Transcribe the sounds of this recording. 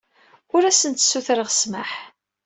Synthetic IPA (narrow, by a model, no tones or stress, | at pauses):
ʊɾæsənt̪sːuθɾəʁsmaħ